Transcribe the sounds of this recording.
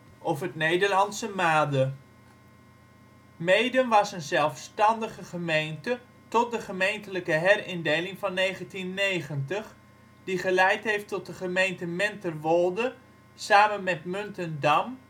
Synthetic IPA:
ʔofətnejdəɹlɑntsəmaːdə | mejdənʋɑsənzɛlˠfstɑndəχəχəmejntə | tɔt̚dəχəmejntələkəɦɛrɪndejlɪŋvɑnːejχəntinːejχəntəχ | d̥iχəlɛjtɦejftɔt̚dəχəmejntəmɛntərʋɔlˠdə | saːmənmɛtmɵntəndɑm

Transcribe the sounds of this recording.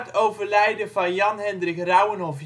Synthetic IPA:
towvəɹlɛjdəvɑnjɑnɦɛndrɪxrœwənɦɔfj

